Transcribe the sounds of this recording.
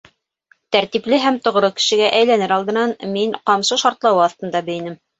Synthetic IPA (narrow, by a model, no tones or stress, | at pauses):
t̪æɾt̪iplɘɦæmt̪ŏʁɾɤkɘ̥̆ʃɘ̆ɡæʔæjlænɘɾɑlˠd̪ɤ̆nɑnmiɴqɑmsɤʃɑɾt̪lˠɑwɤɑθt̪ɤ̆nd̪ɑbɘ̆jɘ̆nɘm